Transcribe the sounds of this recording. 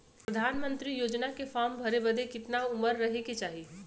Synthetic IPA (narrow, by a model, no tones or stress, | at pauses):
pɾəd̪ʱaːnmə̃nt̪ɾijoːd͡ʒnakefɔːɾmbʱɐɾebəd̪ʱekɪt̪naʊməɾːɐɦeket͡ʃaːɦi